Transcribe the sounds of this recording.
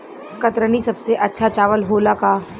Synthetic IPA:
kɐt̪ɾənisɐbseʔɐtːʃʰat͡ʃaːʋəlɦoːlakaː

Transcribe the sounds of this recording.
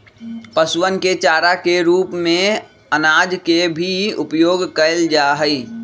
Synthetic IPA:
pəswənket͡ʃaːɾakeɾuːpmẽ | ənaːd͡ʒkebʱiʊpjoːɡkəɪld͡ʒaːɦəi

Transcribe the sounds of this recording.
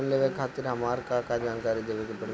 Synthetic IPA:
nleːʋekʰaːt̪ɪɾɦɐmaːɾkakad͡ʒaːnkaːɾid̪eːʋekepɐɽ

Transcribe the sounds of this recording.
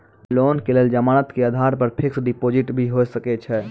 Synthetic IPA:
lonkeleld͡ʒəmanət̪keəd̪ʱaɾpəɾpʰiksɖipod͡ʒiʈbʱiɦojsəkɛt͡ʃʰɛ

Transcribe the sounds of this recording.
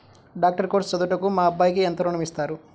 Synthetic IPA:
ɖaːk̚ʈɐɾkoːɾst͡ʃɐd̪uʈɐkumaːɐbːaːjkient̪ɐɾuɳɐmist̪aːɾu

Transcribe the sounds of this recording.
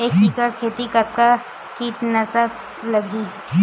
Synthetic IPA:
eːkːiːkəɽkʰeːt̪ikɐt̪̚ka | kiːʈnɐsa | lɐɡʱiː

